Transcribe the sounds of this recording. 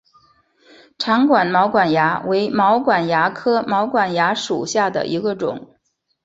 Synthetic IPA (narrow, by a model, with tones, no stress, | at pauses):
ʈ͡ʂʰɑ˧˥ŋkwa˨˩nmɑ˧˥ʊkwa˨˩nja˧˥we˧˥ɪmɑ˧˥ʊkwa˨˩nja˧˥kʰɤ˥mɑ˧˥ʊkwa˨˩nja˧˥ʂṵ˨˩ɕja˥˩d̪ə̰˩ʔi˧˥ɡə˧ʈ͡ʂʊ̰˨˩˦ŋ